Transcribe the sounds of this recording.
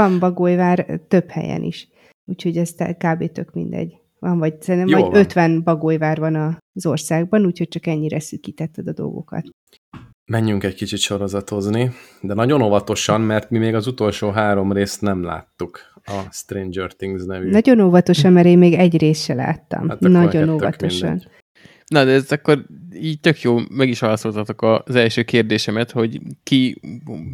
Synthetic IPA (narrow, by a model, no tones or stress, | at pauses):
ɒmbɒɡojvaːrt̪ø̞phɛ̰jɛ̰nḭʃ | uːcho̞ɟɛst̪ɛ̰kaːbeːt̪ø̞kmḭnd̪ɛ̰ɟ | ʋɒɱvɒɟsɛɾint̪ɛjvɒɟø̞t̪ʋɛnbɒɡojvaːrvɒnɒzo̞rsaːɡ̚bɒnuːchoc̚t͡ʃɒkɛɲːiɾɛsykit̪ɛt̪ːɛd̪ɒd̪o̞̰lɡo̞̰kɒ̰t̪ | mɛɲːyŋkɛckit͡ʃit̪ʃo̞ɾo̞zɒt̪o̞znid̪ɛnɒɟo̞novɒt̪o̞ʃɒmmɛrt̪mimeːɡɒzut̪o̞lʃoːɦaːɾo̞mreːst̪nɛmla̰ːt̪ːuk | ɒst̪reːnd͡ʒørt̪iŋɡznɛvynɒɟo̞noːvɒt̪o̞ʃɒmmɛɾeːmmeːɡɛɟreːsʃɛla̰ːt̪ːɒ̰mnɒɟo̞noːvɒ̰t̪oʃɒ̰n | nɒd̪ɛɛzɛkːo̞riːɟt̪økjoːmɛɡiʃʋaːlɒso̞lt̪ɒt̪o̞kɒzɛlʃøːkeːrd̪eːʃɛmɛt̪ho̞ɟki